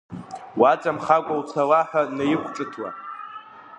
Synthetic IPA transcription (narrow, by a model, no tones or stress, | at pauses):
wat͡sʼamχakʷʼawt͡sʰalaħʷᶣanajɪχʷʰʈ͡ʂʼɨtʰwa̰